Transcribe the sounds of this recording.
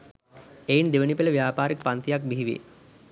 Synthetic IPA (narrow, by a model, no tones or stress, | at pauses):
ejind̪eʋənipeləʋijaːpaːɾikpant̪ijak̚biɦiʋḛ